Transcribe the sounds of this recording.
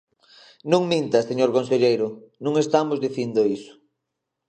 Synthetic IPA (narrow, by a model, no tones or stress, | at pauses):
nũŋmĩnt̪ɐseɲoɾkõnseʎejɾʊnũŋest̪amʊzðiθind̪oisʊ̥